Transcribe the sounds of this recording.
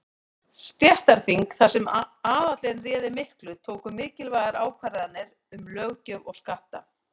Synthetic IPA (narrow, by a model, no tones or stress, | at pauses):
st̪jɛht̪aɾ̥θiŋkθasɛmaːðat̪lɛɣɛnrɛːðɪmɪhklʏt̪ʰoːwkʏmɪːcɪlvaːjɣaɾaːwkʰvaɾɪðanːɪɾ | ʏmlœɣcœvɔɣskaht̪a